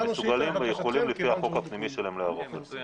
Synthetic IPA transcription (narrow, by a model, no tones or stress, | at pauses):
mesuɡalimvejeχo̞limlifihaχo̞khapnimiʃelaemleaʁoχeze